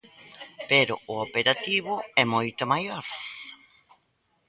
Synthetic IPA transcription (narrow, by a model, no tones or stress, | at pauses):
peɾʊʊopeɾat̪iβʊɛmojt̪ʊmajoɾ